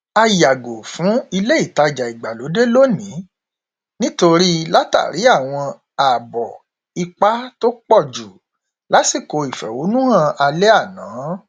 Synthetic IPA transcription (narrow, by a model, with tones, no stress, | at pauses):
a˧ja˨ɡo˨fũ˨˦i˧le˦i˦˨ta˧˨d͡ʒa˨i˨ɡ͡ba˨lo˨˦de˦lo˦nĩ˨˦ | nĩ˦to˧ɾi˦la˦ta̰˦˨ɾi˨˦a˦˨w̃ɔ̃˧ | a˨bɔ̰˨ | i˧k͡pa˦to˦k͡pɔ˦˨d͡ʒu˨ | la˨˦si˦˨ko˧i˨fɛ̰˨wo˨˦nũ˦ã˦˧ʔa˧le˦a˦˨nãː˨˦